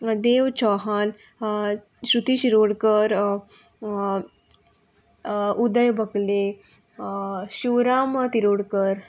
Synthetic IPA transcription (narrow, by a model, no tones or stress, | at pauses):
d̪eʋt͡ɕɔɦan | ɕɾut̪iɕiɾoɽkəɾ | ud̪əjbʱəkle | ɕuwɾamət̪iɾoɽkəɾ